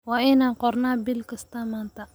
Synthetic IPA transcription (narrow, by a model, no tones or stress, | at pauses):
waːʔɪnaːŋqɔrnaːbɪlkɐst̪ʰaːmaːnt̪ʰɐ